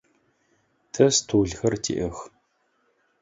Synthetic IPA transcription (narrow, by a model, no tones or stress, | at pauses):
tʰʼɐstʰoːɮxɐrtʰḭʔɐx